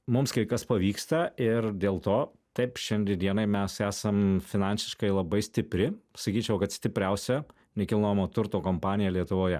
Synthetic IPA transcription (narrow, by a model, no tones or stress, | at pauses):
mʊmskɐɪkɐspɐʋʲiːkst̪ɐɪrd̪ʲeːlˠt̪oː | t̪ɐɪpʃʲɛnʲd̪ʲind̪ʲiɛnɐɪmʲɛsæːsɐmfʲɪnɑnʲsʲɪ̥ʃkɐɪlˠɐbɐɪsʲt̪ʲɪpʲɾʲɪsɐkʲiːt͡ʃʲɛʊkɐt̪sʲt̪ʲɪpʲɾʲɛʊsʲɛ | nʲɛkʲɪlˠnojmoːt̪ʊɾt̪oːkompɑːnʲɪjɛlʲiɛt̪ʊʋoːjɛ